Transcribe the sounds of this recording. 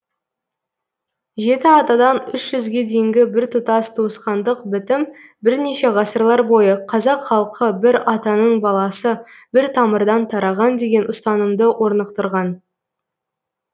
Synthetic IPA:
ʒe̞t̪ɪɑt̪ɑd̪ɑnʏʃʒ̥ʏzɡʲe̞d̪ejɪŋɡʲɪbɪɾt̪ʰʊt̪ɑst̪ʰuəsqɑnd̪əqbɪt̪ɪmbɪɾneʃe̞ʁɑsəɾlˠɑɾbo̞jəqʰɑzɑqχɑlˠqʰəbɪɾɑt̪ɑnəɴbɑlˠɑsəbɪɾt̪ʰɑməɾd̪ɑnt̪ʰɑɾɑʁɑnd̪e̞ɡʲe̞nʔʊst̪ɑnəmd̪əwʔo̞ɾnəqt̪əɾʁɑn

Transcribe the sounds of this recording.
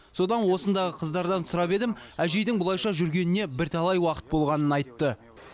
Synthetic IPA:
so̞d̪ɑnwo̞sənd̪ɑʁəqʰəzd̪ɑɾd̪ɑnsʊɾɑpe̞d̪ɪmæʒe̞jd̪ɪŋbʊlˠɑjʃɑʒʏɾɡʲe̞nɪne̞bɪɾt̪ʰɑlˠɑjwɑqə̥t̪̚bo̞lˠʁɑnənɑjt̪ːə

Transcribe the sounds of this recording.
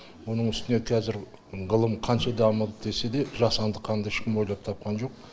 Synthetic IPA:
wo̞nəɴʏst̪ɪne̞kʲʰæzɪɾ | ʁəlˠəmqʰɑnʃɑd̪ɑməlˠəd̪e̞se̞d̪e̞ʒɑsɑnd̪əqʰːɑnd̪ɑɪʃkʲɪmwo̞jlˠɑp̚t̪ʰɑp̚qɑnʒo̞q̚

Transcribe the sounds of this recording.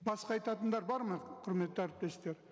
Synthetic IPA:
bɑsqɑɑjt̪ɑt̪ənd̪ɑɾbɑɾmɑqʰʊɾme̞t̪ːɪæɾɪp̚t̪e̞st̪e̞ɾ

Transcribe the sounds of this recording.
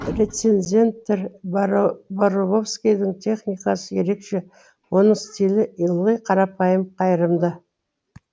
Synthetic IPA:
rʲe̞t̪se̞nzʲe̞nt̪ːeɾ | boɾobo̞fskʲijd̪ɪŋt̪ʲʰe̞χnʲijkɑsəje̞ɾe̞kʃe̞ | wo̞nəɴst̪ʲilɪʔilˠːəjqʰɑɾɑpɑjəmqʰɑjəɾəmd̪ə

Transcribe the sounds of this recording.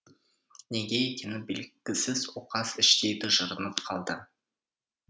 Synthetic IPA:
neɡʲejekʲenɪbelɡʲɪsɪzoqɑsɪʃt̪ejd̪ɪʒəɾənəpqʰɑlˠd̪ə

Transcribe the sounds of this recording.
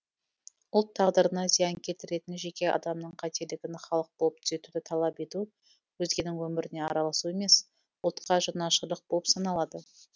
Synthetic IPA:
ʊlˠt̪ʰːɑʁd̪əɾənɑzijɑŋkʲʰe̞t̪ɪɾe̞t̪ɪnʒe̞kʲe̞ʔɑ̰d̪ɑmnəɴqʰɑt̪e̞ɾlɪɡʲɪnχɑlˠəq̚bolˠəp̚t̪ʰʏ̥ze̞t̪ud̪ɪt̪ʰɑlˠɑpe̞t̪u | wɵzɡʲe̞nɪŋwɵmɪɾɪne̞ɑɾɑlˠɑsue̞me̞s | ʊlˠt̪qɑʒənɑʃəlˠəq̚boəpsɑnɑlˠɑd̪ə

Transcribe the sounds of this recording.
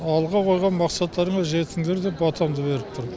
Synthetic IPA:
ɑlˠʁɑqʰo̞jʁɑnmɑqsɑt̪ːɑɾəɴɑʒe̞t̪ɪŋd̪eɾd̪e̞bɑt̪ʰɑmd̪əbe̞ɾɪp̚t̪ʰʊɾ

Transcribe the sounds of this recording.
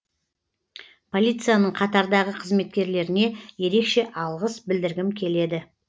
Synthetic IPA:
pʰo̞lʲijt̪sɨjanəɴqʰɑt̪ɑɾd̪ɑʁəqʰəzme̞t̪̚kʲe̞ɾle̞ɾɪne̞je̞ɾe̞kʃe̞ʔɑlˠʁəsbɪld̪ɪɾɡʲɪmkʲʰe̞le̞d̪ɪ

